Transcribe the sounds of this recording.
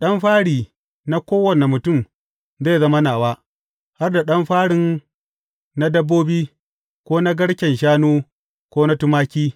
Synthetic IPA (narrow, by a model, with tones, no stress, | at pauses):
ɗɐ˦mɸaː˦ɽiː˨ | na˦kʷoː˦wɐ˨ne˨mʊ˨tʊ˦˨m | ze˦˨zɐ˦mɐ˦naː˨waː˦ | ha˦rda˨ɗɐ˦mɸaː˦ɽɪ˦n | na˦dɐ˦bːoː˦biː˦ | kʷoː˦na˦ɡɐ˦ɽkʲɛ˨nʃ̬aː˦nuː˦ | kʷoː˦na˦tʊ˦maː˦kʲiː˦